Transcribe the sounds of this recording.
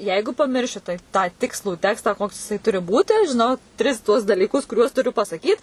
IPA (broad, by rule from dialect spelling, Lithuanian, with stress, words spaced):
ˈjɛɪɡʊ pɐˈmʲɪrʲʃʲɪ tɐɪ ˈtɑː ˈtʲɪkslˠuː ˈtʲæːkstɑː ˈkoːks jɪˈsɐɪ ˈtʊrʲɪ ˈbuːtʲɪ ʒʲɪˈnɐʊ ˈtʲrʲɪs tuɔs dɐlʲiːˈkʊs kʊˈrʲuɔs tʊˈrʲʊ pɐsɐˈkʲiːt